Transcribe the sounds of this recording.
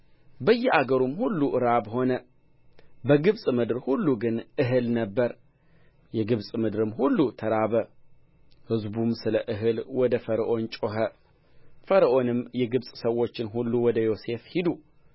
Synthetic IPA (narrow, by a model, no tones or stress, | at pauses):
bəjːɛaɡəɾumhulːuʔɨɾabho̞nə | bəɡɨβsʼmɨd̪ɾhulːuɡɨnʔɨɦɨlnəbːəɾ | jɛɡɨβsʼmɨd̪ɾɨmhulːut̪ʰəɾaβə | hɨzbumsɨləʔɨɦɨlwɔd̪əfəɾəʔo̞nt͡ʃʼoɦə | fəɾəʔo̞nɨmjɛɡɨβsʼsəwːo̞t͡ʃːɪnɦulːuwɔd̪əjo̞se̞fhid̪u